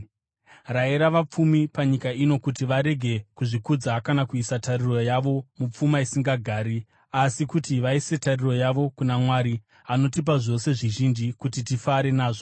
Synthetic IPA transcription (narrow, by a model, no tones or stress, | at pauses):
raiɾaʋap͡fumipaɲikaino̞kutiʋaɾe̞ɡʱe̞kuʐikud͡zakanakuisatariro̞jaʋo̞mup͡fumaisiŋɡaɡʱaːɾi | asikutiʋaise̞tariro̞jaʋo̞kunamwaɾi | ano̞tip̬aʐo̞se̞ʐiʒind͡ʒikutitifaɾe̞naːʐo̞